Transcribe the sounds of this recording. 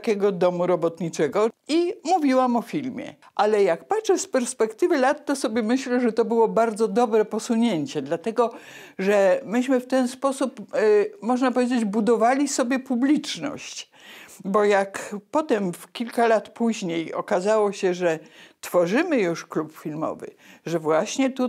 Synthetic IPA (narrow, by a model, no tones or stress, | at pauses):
kʲɛɡɔd̪ɔmuɾɔbɔt̪ɲit͡ʂɛɡɔimuvʲiwamɔfʲilmʲjɛ̰ | ʔalɛjakpatʂɛspɛɾspɛkt̪ɘvɘlat̪ːɔsɔbʲjɛmɘɕlɛʐɛt̪ɔbɘwɔbaɾd̪zɔd̪ɔbɾɛpɔsuɲeɲt͡ɕɛd̪lat̪ɛɡɔ | ʐɛmɘɕmɘft̪ɛnspɔsupmɔʐnap̬ɔvʲjed͡ʑed͡ʑbud̪ɔvalʲisɔbʲjɛpublʲit͡ʂnɔ̰ɕt͡ɕ | bɔjakpɔt̪ɛmfkʲilkalat̪puʑɲejɔ̰kazawɔɕɛʐɛt̪fɔʐɘmɘjuʂklupfʲilmɔ̰vɘ̰ʐɛvwaɕɲɛt̪u